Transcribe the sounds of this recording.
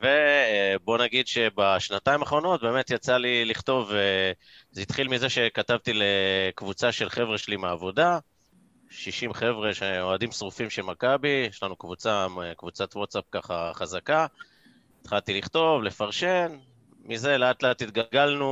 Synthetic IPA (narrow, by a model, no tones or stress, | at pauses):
ve̞bo̞naɡid̪ʃe̞beʃnataimaχʁo̞no̞t̚be̞ːme̞t̪jat͡saliliχto̞ve | zit̪χilmize̞ʃe̞katavt̪ilekvut͡saʃe̞lχe̞vʁeʃelimeːvo̞da | ʃiʃimχe̞vʁe̞ʃeoadimsʁufimʃelmakabijɛʃlanukvut͡samekvut͡sat̪wot̪sap̚kaχa̰χazaka | it̪χalt̪iliχt̪o̞vle̞faʁʃe̞n | mize̞leat̪leat̪it̪̚ɡalɡalnu